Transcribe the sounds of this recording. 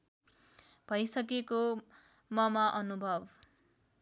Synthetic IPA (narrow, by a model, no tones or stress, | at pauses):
b̥ʱʌjsʌk̬eko | mʌmaʔʌnubʱʌb